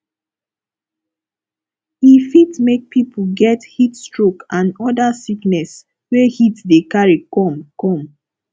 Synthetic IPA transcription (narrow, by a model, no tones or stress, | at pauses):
hifitmek̚pʰipʰulɡɛthitstɹokãnɔdasiknɛs | wehitdekaɹikɔ̃mkɔ̃m